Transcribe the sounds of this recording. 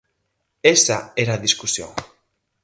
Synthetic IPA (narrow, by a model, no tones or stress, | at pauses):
esaeɾaðiskusio̰